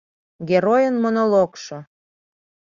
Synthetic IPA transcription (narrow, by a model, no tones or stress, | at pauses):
ɡʲeɾojənmonolokʃo